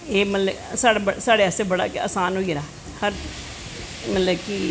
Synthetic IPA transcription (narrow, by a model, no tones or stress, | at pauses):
eːmət̪lə | saːɽebəsaːɽeɛːsebəɽa̰ːkea̰ːsaːnɦoːiɾaː | həɾ | mət̪ləki